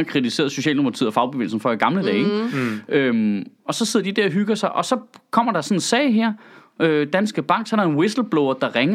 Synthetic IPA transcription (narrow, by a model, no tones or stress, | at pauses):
ɐkʰʁit͡sise̝̰ːɐðˠsɕo̝ɕɛ̰ːlnmimopʰɑt͡sʰḭð̰ˠɐfɑ̈ʊb̥eʋḛːl̩sn̩fɒ̽iɡ̥ɑ̈mləd̥ɛːeɡømɒ̽sɒse̝ðˠɐd̥id̥æɐɦyɡ̥ɐsɑ̈ɪʔɒ̽sɒ̽kʰɒ̽m̰ɐɾ̥ɑ̈sɒ̽nensɛɪɦɛɐ̰ | ød̥ænsɡ̥əb̥ɑ̈ŋ̰ɡ̥sɒ̽ɐɾɑ̈enwe̝sl̩b̥loʊɐd̥ɑ̈ʁɛŋɐ